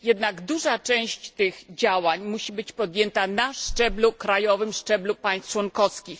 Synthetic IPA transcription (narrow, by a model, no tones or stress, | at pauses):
jɛd̪naɡd̪uʐat͡ʂɛ̃w̃ɕt͡ɕt̪ɘɣd͡ʑawaɲmuɕibɘt͡ɕpɔd̪jɛnt̪anaʂt͡ʂɛblukɾajɔvɘmʂt͡ʂɛblupaj̃st̪t͡ʂwɔnkɔskʲix